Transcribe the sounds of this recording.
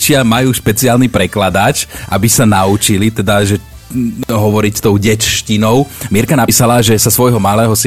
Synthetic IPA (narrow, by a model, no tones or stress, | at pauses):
t͡ʃɪamajuːʃpɛt͡siaːlnipɾɛklad̪at͡ʃʔabisanaut͡ʃilit̪ɛd̪aʒɛ | ɦɔʋɔɾict̪ɔʊɟɛt͡ʃʃcinɔʊmɛɾkanapiːsalaːʒɛsasʋɔjɦɔmalɛːɦɔs